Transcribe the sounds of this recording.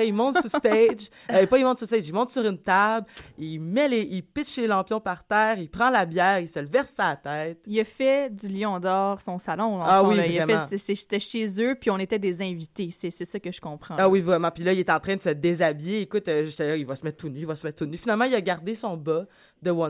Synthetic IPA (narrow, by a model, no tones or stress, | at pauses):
imɔ̃t̪sust̪ɛd͡ʒ | epɔimɔ̃t̪sust̪ɛd͡ʒimɔ̃t̪syʁynt̪ablilmɛleʔilpɪt̪ʃlelɑ̃pjɔ̃paʁt̪ɛːʁipχɑ̃labjɛːʁisəlvɛʁsaːt̪ɛɪt̪iləfɛd̪yljɔ̃d̪ɔːʁsɔ̃salɔ̃ãawiviʁɛmɛ̃sesɛʃt̪ɛʃezøpiɔ̃net̪ɛd̪ezɛ̃vit̪esɛsɛsakəʒəkɔ̃pχɑ̃awivʁɛmɑ̃pilɐilet̪ɛɑ̃t̪χɛ̃d̪əsəd̪ezabijeːkʊt̪øʒet̪ɛlaivasəmɛt̪̚t̪ːunyivasəmɛt̪̚ːunyfinalmɑ̃ilaɡaʁd̪esɔ̃bɔ | d̪əwɔ̃